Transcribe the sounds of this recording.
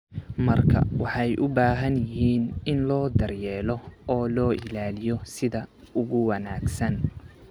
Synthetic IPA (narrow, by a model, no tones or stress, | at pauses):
mɐrkʰɐ̰wɑħɑjʔʊbaːɦɐnjɪɦiːnɪnlɔːd̪ɐrjɛːlɔɔːlɔːʔɪ̰laːlɪjɔsɪðɐ | ʊɣʊwɑnaːɡsɐn